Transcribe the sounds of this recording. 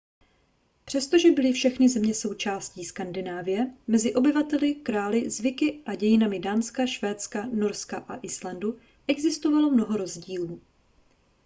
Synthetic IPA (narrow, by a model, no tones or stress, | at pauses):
pr̝̥ɛst̪o̞ʒɛbɪlɪfʃɛxnɪzɛmɲɛso̞wt͡ʃaːsciːskandɪnaːvɪjɛmɛzɪʔo̞bɪvat̪ɛlɪkɾaːlɪzvɪkɪʔaɟɛjɪnamɪdaːnskaʃvɛːt̪t͡skano̞ɾskaʔaʔɪslandu | ʔɛɡzɪst̪o̞valo̞mno̞ɦo̞ɾo̞zɟiːluː